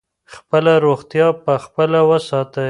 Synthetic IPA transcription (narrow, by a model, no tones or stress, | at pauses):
xpəlaɾoɣt̪jɑpəxpəlawəsɑt̪ə